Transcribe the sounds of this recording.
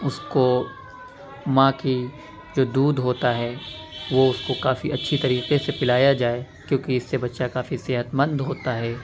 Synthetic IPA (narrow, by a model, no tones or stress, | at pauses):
ʊsko | mãːki | d͡ʒoːd̪uːd̪ɦoːt̪aɦɛː | ʋoʊskokaːfiʔɐtːʃʰit̪ɐɾiːqesepɪlaːjad͡ʒaːe | kjõːkiɪsːebɐtːʃakaːfisɪːɦət̪mə̃nd̪ɦoːt̪aɦɛː